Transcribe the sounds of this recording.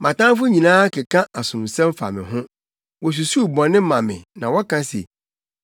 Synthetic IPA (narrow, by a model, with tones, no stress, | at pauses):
mʔã˨tã˦n˦fʊ˦ɲĩ˨nãː˦kʰɪ˨kʰã˦ʔa˨sʊ̃˨m˨sɛ̃˦m˦fa̰˨mɪ̰̃˨ɦʊ̃˦ | wɔ˨s̬u˨su˦˨bɔ̃˨nɪ̃˦mã˨mɪ̰̃˨nã̰˨wɔ˦kʰã˦sḛ˨